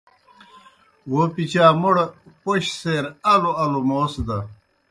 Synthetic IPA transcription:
wopit͡ɕaːmoɽpoɕseːɾɐloɐlomoːsd̪ɐ

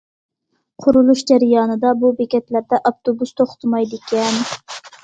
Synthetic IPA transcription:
qʰʊɾulˠuʃd͡ʒæɾɪjɑːnɨd̪ɑbubekʲɛt̪læɾd̪ɛʔɑft̪obust̪ʰoχt̪ʰɨmɑjd̪ɪkʲɛn

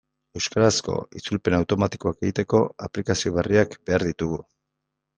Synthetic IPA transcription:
e̞wskaɾasko̞̰ḭt͡sulpe̞nawt̪o̞mat̪i̥ko̞ake̞ɣit̪e̞ko̞aplikasio̞β̞eriakbe̞aɾðit̪uɣu

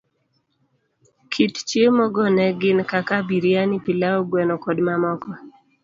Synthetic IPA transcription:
kʰitt͡ʃjemɔɡɔnɛɡɪnkakabiɾjanipilaɔɡwɛnɔkɔdmamɔkɔ

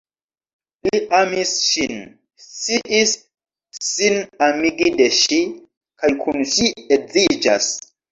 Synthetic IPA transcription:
liamisʃin | siʔisː | inamiɡideʃi | kajkʰunʃiezid͡ʒa̰s

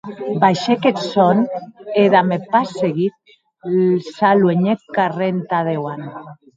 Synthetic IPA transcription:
bajʃeket̪soneðamepaseɣit̪̚ | salweɲekarent̪aðewan

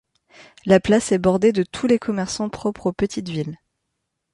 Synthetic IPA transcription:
laplasɛbɔʁd̪ed̪ət̪ʰulekʰɔmɛʁsɑ̃pχɔpχopət̪ʰit̪vil

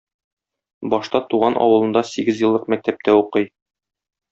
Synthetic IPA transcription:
bɒʃt̪ɑt̪uʁɑnʔɒ̰wɤ̆lˠɤ̆nd̪ɑsiɡɘzjɤ̆lˠːɤqmæk̚t̪æp̚t̪ʰæuqɤj

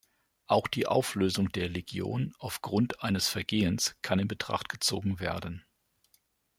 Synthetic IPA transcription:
ʔaʊxd̥iːʔa̰ʊfløːzʊŋdeːɐleɡjo̰ːnʔaʊfɡ̥ʁʊntʔaɪnəsfɛɐɡeːənskʰanɪnbətʁ̥a̰χtɡ̥ət͡so̰ːɡŋ̩veːɐdn̩

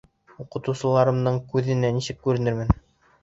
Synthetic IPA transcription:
uqɤ̆t̪ɤ̆wsɤ̆lˠɑɾɤ̆md̪ɤɴkʉðɘ̆nænisɘkːʉɾɘ̆nɘ̆ɾmɘn

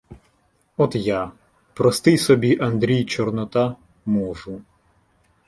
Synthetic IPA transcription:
ɔt̪ja | pɾɔst̪ɪjsɔbʲiʔɐnd̪ɾʲijt͡ʃɔrnɔt̪ɑ | mɔʒʊ

